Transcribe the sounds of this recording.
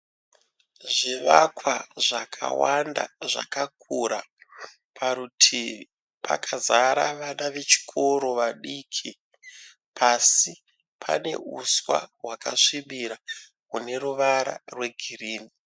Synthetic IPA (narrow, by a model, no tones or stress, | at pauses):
ʐiʋakwaʐakʰa̰wanda̰ʐa̰kakʰuɾa | pʰaɾutʰi | pʰa̰kʰazaɾaʋanaʋe̞t͡ʃi̥kʰo̞ɾo̞ʋaɗiːkʰi | pʰasi | pʰa̰ne̞̰uswa̰ɦwakaʂimbiɾa | kune̞ruʋaɾa̰rwe̞ɡʱiriːni